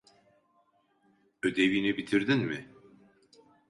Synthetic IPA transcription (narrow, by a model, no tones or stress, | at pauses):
ød̪eviːnibit̪ʰiɾd̪inmɪ